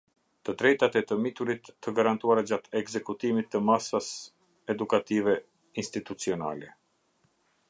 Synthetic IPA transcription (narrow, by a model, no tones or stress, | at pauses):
t̪əd̪ɾɛjt̪at̪ɛt̪əmit̪uɾit̪ːəɡaɾant̪uaɾad͡ʑat̪ɛɡzɛkut̪imit̪ːəmasas | ɛd̪ukat̪ivɛ | inst̪it̪ut͡siɔna̰lɛ